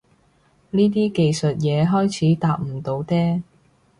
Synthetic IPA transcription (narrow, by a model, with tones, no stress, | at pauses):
niː˥t̪̬iː˥ke˨jsɵ˨t̚jɛː˨˧ɦɔː˥jt͡sʰiː˨˥t̪aː˨˧p̚m̩˨˩t̪o˨˧wt̪ɛː˥